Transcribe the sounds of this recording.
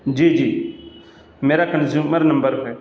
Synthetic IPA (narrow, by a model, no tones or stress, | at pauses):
d͡ʒiːd͡ʒiː | meːɾakənzjuːməɾnə̃mbəɾpɛː